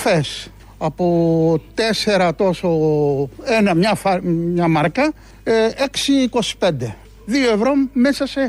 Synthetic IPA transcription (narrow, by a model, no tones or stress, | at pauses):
fes | ɐpot̪ese̞ɾɐt̪o̞so̞ | enɐmɲɐfɐmɲɐmɐɾkɐ | eksiːko̞si̥pe̞nd̪e̞ | ðioevɾo̞me̞sɐse̞